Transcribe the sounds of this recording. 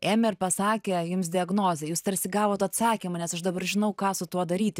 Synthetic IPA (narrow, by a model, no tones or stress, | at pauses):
eːmʲɛɪrpɐssɑːkʲeːjʊms̬d̪ʲɪɐɡnoːzʲejuːst̪ɐɾʲsʲɪɡɑːʋoːt̪ɐt̪sɑːkʲimɐnʲɛsɐʃd̪ɐbɐrʒʲɪnɐʊkɑːsʊt̪uɔd̪ɐɾʲiːt̪ʲ